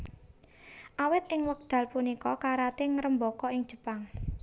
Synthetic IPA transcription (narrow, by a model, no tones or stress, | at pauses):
ʔawɪt̪ɪŋwək̚d̪̥a̤lpunikɔkaɾat̪ɪŋɾəmbɔkɔɪŋ̥ʒ̥ə̤paŋ